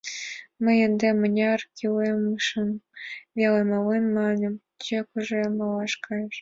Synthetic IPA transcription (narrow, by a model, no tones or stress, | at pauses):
mə̆jend̪ʲemɤ̆nʲɑrkʲilemʃɤ̆nvʲelemɑlenmɑnʲɤ̆m | t͡ɕekuʐemɑlɑʂkɑjəʃ